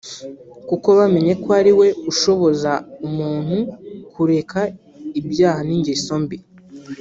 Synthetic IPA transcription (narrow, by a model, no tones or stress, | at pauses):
kuko̞βame̞ɲe̞koaɾiwe̞uʃo̞βo̞zaumuːn̥hukʰuɾe̞kʰa | ibjaːhaniːɲɟiso̞mbi